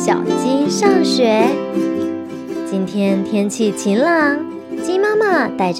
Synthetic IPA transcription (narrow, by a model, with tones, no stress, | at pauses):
ɕjɑ̰˨˩ʊt͡ɕi˥nʂɑ˥˩ŋɕɥɛ˧˥ | t͡ɕi˥nt̪ʰjɛ˥nt̪ʰjɛ˥nt͡ɕʰi˥˩t͡ɕʰi˧˥nlɑ˧˥ŋ | t͡ɕi˥ma˥ma˥˧t̪a˥˩ɪʈ͡ʂ